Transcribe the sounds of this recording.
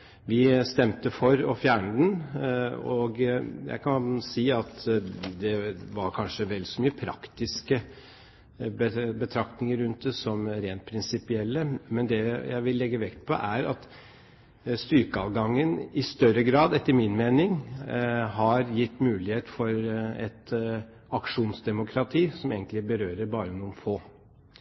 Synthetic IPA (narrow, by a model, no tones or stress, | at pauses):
ʋɪst̪ɛmt̪əfɔɾɔfjæːɳəd̪n | ɔɡjæ̰ɪkʰɑnsiːɑt̪d̪ɛʋɑɾkʰɑnʂəʋɛlsɔmyːəpʰɾɑ̰kt̪ɪskə | bəbət̪ʰɾɑkt̪nɪŋəɾʉnt̪̚d̪əsɔmɾeːnt̪̚pʰɾɪnsɪpɪɛlːəmɛnd̪ɛjæ̰ɪʋɪlːɛɡːəʋɛkt̪̚pʰɔ̰ʔæɾɑt̪ | st̪ʏɾkəɑʋɡɑŋːənɪst̪œɾəɡɾɑːd̪ɛt̪ːəɾmɪnmeːnɪŋ | ɦɑɾjɪt̪ːmʉːlɪheːt̪fɔɾɛt̪ | ɑkʂuːnsd̪ɛmʊkʰɾɑt̪ʰiːsɔmeːɡənt̪lɪbəɾøːɾəɾbɑːɾənuːənfoː